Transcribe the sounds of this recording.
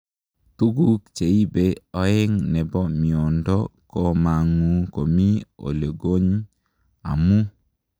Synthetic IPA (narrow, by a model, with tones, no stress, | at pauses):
t̪u˦ɡu˦kt͡ʃe˨i˦be˦ɔ˨˦ɪ˦ŋnɛ˨bɔ˦mɪ˨ɔ˨ndɔ˦ko˦ma˨ŋu˨ko˨mi˦o̰˨le˨ɡo˦ɲ | a̰˨mu˦